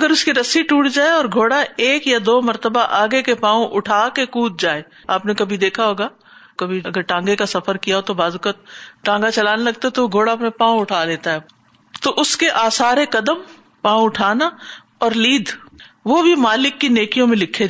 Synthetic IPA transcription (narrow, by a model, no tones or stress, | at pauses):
ɐɡəɾʊskiɾɐsiʈuːʈd͡ʒaːeɔːɾɡʱoːɽaeːkjad̪oːmɐɾt̪əbaʔaːɡekepãːõʔʊʈʰaːkekuːt̪̚d͡ʒaːeː | aːpnekɐbʱid̪eːkʰaɦoːɡaː | kɐbʱiɐɡəɾʈãːŋɡekasɐfəɾkijaɦot̪obaːzʊkət̪̚ʈãːŋɡat͡ʃɐlaːnelɐɡ̚t̪aɦɛt̪ooɡʱoːɽapẽpãːõʊʈʰaːleːt̪aɦɛː | t̪oʔʊskeʔaːsaːɾekɐd̪əm | pãːũʊʈʰaːna | ɔːɾliːd̪ʱʋobʱimaːlɪkːineːkijõmẽlɪkʰːe